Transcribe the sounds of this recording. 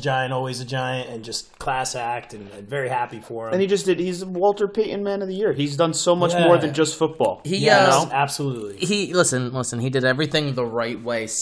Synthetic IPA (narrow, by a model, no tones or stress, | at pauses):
d͡ʒaɪɨ̃ntɔlˠwizɨd͡ʒaɪɨ̃ntɨ̃nd͡ʒʌst̚kʰl̥æsæk̚tɨ̃nɨ̃nvɛɹihæpifə̃˞ɨ̃nid͡ʒʌs̬d̥ɨd̚izəwɔlˠtə˞pʰeɪʔn̩mæ̃nʌvðɨjɪɹizdʌ̃nsoʊmʌt͡ʃmɔɹðɨ̃nd͡ʒʌstfʊt̚b̥ɔ̰lˠhiæoæb̥səlutˡliilɪsɨ̃nlɪsɨ̃nidɨɾɛvɹiθɪ̃ŋðəɹaɪt̚weɪ